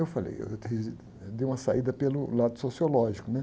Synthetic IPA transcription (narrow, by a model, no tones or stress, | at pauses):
ewfalḛjḛewt̪z | d̪ejũmɐsaid̪ɐpelʊlad̪ʊsosiolɔʒikʊnɛ